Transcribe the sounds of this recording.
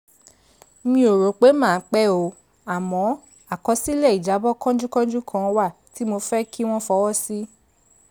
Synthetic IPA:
mĩ˧˦o˨ɾo˨˦k͡pe˨˦mãː˦˨˦k͡pɛ˦o˧˨ | a˨mɔ̃˨˦ | a˨kɔ˧˦si˦lɛ˦˨i˨d͡ʒa˨˦bɔ˦kã˦d͡ʒu˦kã˦d͡ʒu˦kʰã˦˧wa˦˨ | ti˨˦mo˧fɛ˦kʰi˦w̃ɔ̃˦fɔ˧˦wɔ˦si˦

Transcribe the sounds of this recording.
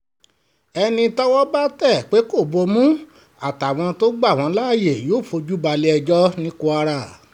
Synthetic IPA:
ɛ˧nĩ˧tɔ˦wɔ˦ba˦tɛ˦˨k͡pe˨˦ko˦˨bo˧mũ˦ | a˦˨ta˨w̃ɔ̃˧to˦ɡ͡ba˦˨w̃ɔ̃˧˦la˦˨je˦˨joː˦˨fo˧d͡ʒu˦ba˧le˦ɛ˧d͡ʒɔ˦nĩ˦ku˧a˧ɾa˦˨

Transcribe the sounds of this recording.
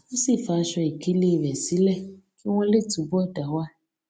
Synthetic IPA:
wõ˦si˦˨fa˨ʃɔ˧e˨ke˦le˦˨vɛ˨si˦lɛ˦ke˦w̃ɔ̃˦le˦˨tu˨bɔ˦˨da˨wa˦

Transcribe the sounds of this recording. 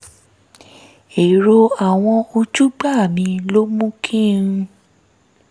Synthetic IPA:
e˨ɾo˧a˨w̃ɔ̃˧o˧d͡ʒu˦ɡ͡ba˦˨mĩ˧lo˦mũ˦kʰĩ˦ɾũ˧

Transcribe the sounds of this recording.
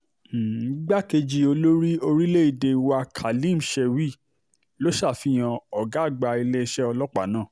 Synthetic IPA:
i˨˦ɡ͡ba˦ke˧d͡ʒi˧o˧lo˦ɾi˦o˧ɾi˦le˦i˧˨de˧wa˧kʰa˨lĩ˦˨m̩˨ʃɛ˧wi˦˨ | lo˨˦ʃa˦˨fi˨˦j̃ã˧ɔ˨ɡa˨˦˨ɡ͡ba˧i˧le˦˧ʃɛ˦ɔ˧lɔ˦k͡pa˨nãː˦˨

